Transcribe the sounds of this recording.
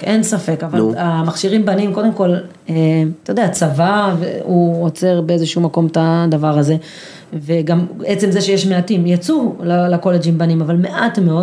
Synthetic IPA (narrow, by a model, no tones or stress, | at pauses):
e̞nsafe̞kavalamaχʃiʁimbanimko̞d̪e̞mko̞l | et̪ajod̪eat͡savavḛuot͡se̞ʁbeezeʃumako̞mt̪ad̪avaʁaze̞ | ve̞ɡamet͡se̞mzeʃejeʃmeatimjat͡sulalako̞led͡ʒimbanimavalme̞ʔat̪me̞o̞d